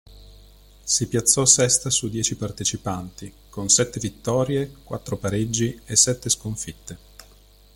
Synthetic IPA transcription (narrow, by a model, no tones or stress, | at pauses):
sipjat̪sːɔsɛst̪asud̪jɛːt͡ʃipart̪et͡ʃipant̪i | konsɛt̪ːevit̪ːɔːɾjekwa̰t̪ːɾopaɾed͡ʒːiesɛt̪ːeskoɱfit̪ːe